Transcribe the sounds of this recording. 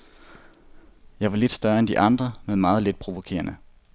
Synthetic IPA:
jɑ̈ɪʋɑ̈le̝d̥sd̥ɶɐend̥iʔɑ̈nd̥ʁɐmeðˠmɑ̈ːð̞̩ˠle̝d̥̚pʰʁo̝ʋo̝kʰe̝̰ːɐnə

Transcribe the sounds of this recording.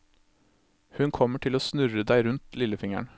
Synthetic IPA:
hʉnkʰɔməʈʰɪloːsnʉɾəd̪æɪɾʉnt̪lɪləfɪŋæ̰ɳ

